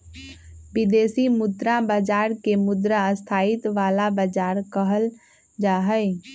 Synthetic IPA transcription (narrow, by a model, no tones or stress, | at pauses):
bɪd̪eːsimʊd̪ɾabəd͡ʒaːɾkemʊd̪ɾəəst̪ʰaːɪt̪ʋaːlabəd͡ʒaːɾkəɦəl | d͡ʒaːɦəɪ